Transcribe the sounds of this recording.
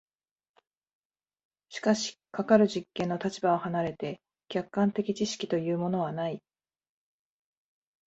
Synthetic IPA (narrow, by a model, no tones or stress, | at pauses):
ɕi̥kaɕi̥kakaɾɯ̟ʑikːẽnːo̞t̪at͡ɕibaohanaɾe̞t̪e̞ | kʲakːãnt̪e̞kʲit͡ɕiɕi̥kʲi̥t̪o̞jɯ̟ːmo̞no̞β̞anai